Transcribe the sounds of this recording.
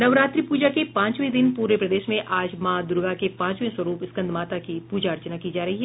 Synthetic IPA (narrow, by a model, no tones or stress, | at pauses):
nɐʋɾaːt̪ɾipuːd͡ʒakepãːt͡ʃʋẽd̪ɪnpuːɾepɾɐd̪eːʃmẽʔaːd͡ʒmãːd̪ʊɾɡakepãːt͡ʃʋẽsɐɾuːpɪskɐ̃nd̪maːt̪akipuːd͡ʒaɐɾt͡ʃənakid͡ʒaːɾɐɦiɦɛ